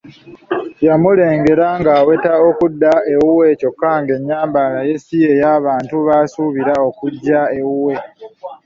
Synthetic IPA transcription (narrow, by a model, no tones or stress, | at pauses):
jamule̞ːŋɡe̞ɾaŋɡaːwetaokudːae̞wuwe̞ːco̞kːaŋɡe̞ɲːaːmbalaje̞sie̞jaːβaːntuβaːsuβiɾao̞kuɟːaewuwe̞